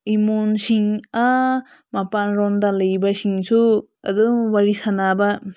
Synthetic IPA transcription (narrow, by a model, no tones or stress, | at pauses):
imonsiŋa | mapanɾɔndalɐjbasiŋsu | ɐ̰d̪uwaɾisanaba